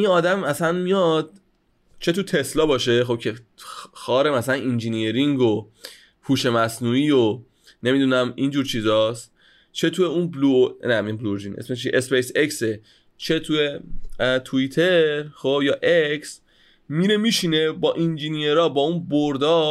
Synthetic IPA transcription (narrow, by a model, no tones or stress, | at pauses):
ʔinɒːd̪æmæsænmijɒd̪̥̚ | t͡ʃʰe̞t̪ut̪ʰeslɒːbɒːʃe̞xo̞b̚cʰe̞xɒːɾemæslænind͡ʒinijeɾiŋɡo | pʰuːʃe̞mæsnuːiːjo | ne̞mid̪uːnæmind͡ʒuːɾt͡ʃʰiːzɒːst̪ | t͡ʃʰe̞t̪ʰujeunblunæmijimbluɾd͡ʒinḛsmet͡ʃʰiʔespejse̞kse | t͡ʃʰe̞t̪ʰujet̪ʰuit̪ʰe̞ɾχobjɒːʔeks | miːɾemiʃine̞bɒːʔind͡ʒinijeɾɒːbɒːunboɾd̪ɒː